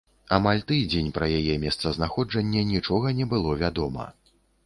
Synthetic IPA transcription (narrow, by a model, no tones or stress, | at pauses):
amalʲt̪ɨd͡zʲɛnʲpɾɐjajɛmʲɛst̪sɐznaxɔd͡ʐɐnʲːɛnʲit͡ʂɔɣɐnʲɛbɨlˠɔvʲad̪ɔmɐ̰